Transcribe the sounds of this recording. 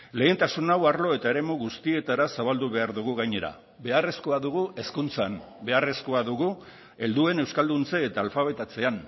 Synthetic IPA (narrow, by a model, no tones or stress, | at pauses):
le̞ːnt̪asunawaɾlo̞e̞t̪ae̞ɾe̞muɣust̪ie̞t̪aɾasaβ̞ald̪uβ̞e̞aɾðuɣ̞uɣajɲe̞ɾa̰ | be̞are̞sko̞aðuɣ̞ue̞skunt͡san | be̞are̞sko̞aðuɣu | e̞ld̪ue̞ne̞wskald̪unt͡seːt̪aːlfaβ̞e̞t̪at͡se̞an